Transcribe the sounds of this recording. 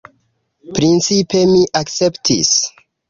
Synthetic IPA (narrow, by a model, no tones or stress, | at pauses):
pɾint͡sipe̞miʔak̚t͡se̞ptʰḭs